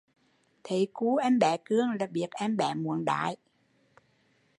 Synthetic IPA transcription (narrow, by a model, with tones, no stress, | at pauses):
t̪ʰe˨˩˦ku˨˦ʔɛ˧mɓɛ˧˩kɨ˧əŋlaː˨˩ɓi˨˩ək̚ʔɛ˧mɓɛ˧˩˦mu˧˩˦ənɗa̰ː˧˨j